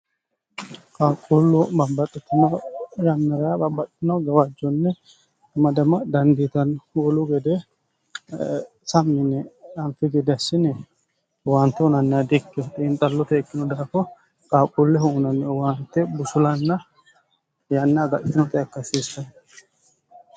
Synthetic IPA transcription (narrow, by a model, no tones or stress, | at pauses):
kʼaːkʼːulːʊbɐbːɐt̪ʼːɛt̪ːɪnɐjɐnːɐɾɐabɐbːɐt̪ʼt̪ːɪnɐɡɐwad͡ʒːɔnːɛ | mɐd̪ɐmɐd̪ɐnd̪iːt̪ɐnwɔlʊɡɛd̪ɛ | sɐmːɪnɛɐnfɪɡɛd̪ɐsːɪnɛ | want̪ːɛʊnɐnːɛɐd̪ɪkːɛt̪ʼiːnt̪ʼɐlːɔt̪ɛɛkːɪnɔd̪aːfɔ | kʼaːkʼulːɛhuːnɐnːɛwaːnt̪ːɛbʊsʊlɐnːɐ | janːɛɐɡɐʔʼɪt̪ːɪnɔt̪ʼɛjɐkːɐsiːsːɐn